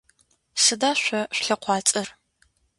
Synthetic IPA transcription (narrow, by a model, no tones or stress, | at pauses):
sɨdaːɕʷɔɕʷɬɐqʷɑːt͡sʼɐr